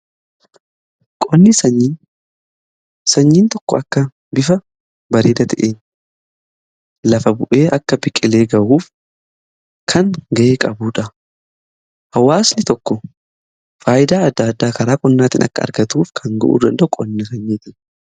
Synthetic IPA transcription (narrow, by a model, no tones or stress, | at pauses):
kʼɔnːɪsɐɲːiːn | sɐɲːiːnt̪ɔkːɔɐkːɐ | bɪfɐ | bɐɾeːd̪ɐt̪ʰɛʔeːn | lɐfɐbʊʔe̞ːʔɐkːɐbɪkʼɪle̞ːɡɐʔuːf | kʰɐŋɡɐʔeːkʼɐbuːᶑɐ | hɐwːaːsnɪt̪ɔkːɔ | faːʔɪd̪aːɐd̪ːaːd̪ːaːkɐɾaːkʼɔnːaːt̪ɪnʔɐ̰kːɐɐ̰ɾɡɐt̪uːfkʰɐŋɡɐʔṵːd̪ɐnd̪ɐʔʊkʼɔnːɐsɐɲːiːt̪ɪn